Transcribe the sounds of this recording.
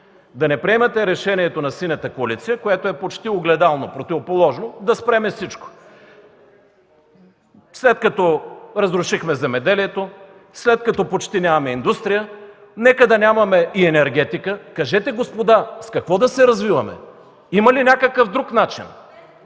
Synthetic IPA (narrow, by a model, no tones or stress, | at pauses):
d̪ɐnɛpɾiɛmɐt̪ɛɾɛʃɛniɛt̪onɐsinɐt̪əkoɐlit̪sijəkoɛt̪oɛpot͡ʃt̪ioɡlɛd̪alˠnopɾot̪ivopolˠɔʒnod̪ɐspɾɛmɛfsit͡ʃko̥ | slɛt̪̚kɐt̪ɔɾɐzɾʊʃixmɛzɛmɛd̪ɛliɛt̪o | slɛt̪̚kɐt̪ɔpot͡ʃt̪inʲamɐmɛind̪ust̪ɾijə | nɛkəd̪ɐnʲamɐmɛiɛnɛɾɡɛt̪ikəkɐʒɛt̪ɛɡospod̪askɐkvɔd̪ɐsɛɾɐzvivɐmɛ̰ | imɐlinʲakəkəfd̪ɾuknat͡ʃḭn